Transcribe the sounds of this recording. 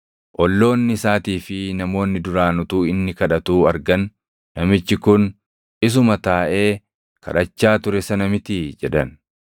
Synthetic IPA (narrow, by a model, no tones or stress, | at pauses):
ʔɔlːo̞ːnːɪɪsaːt̪iːfɪnɐmo̞ːnːɪd̪ʊɾaːnʊt̪uːɪnːɪkɐᶑɐt̪uːɐɾɡɐnː | ɐmɪt͡ʃːɪkʊn | ɪs̬ʊmɐt̪aːʔe̞ː | kʰɐ̰ᶑɐt͡ʃːaːt̪ʊɾɛsɐnɐmɪt̪ɪd͡ʒɛᶑɐn